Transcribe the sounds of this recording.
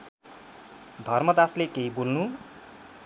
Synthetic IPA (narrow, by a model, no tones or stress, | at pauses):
d̪ʱʌrmʌd̪aslekeibolnu